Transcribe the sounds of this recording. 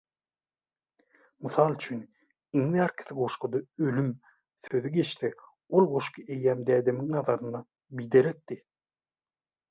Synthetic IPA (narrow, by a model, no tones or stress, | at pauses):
mɯθɑːlˠt͡ʃʰyn | iŋðæːɾkʰi̥θiɡo̞ʃqʰod̪ɑølym | θøðyɡe̞ʃθe | olˠʁo̞ʃqʰɯejːæːmd̪æːd̪emiŋnɑðɑɾɯnɑ | bijd̪eɾek̚d̪i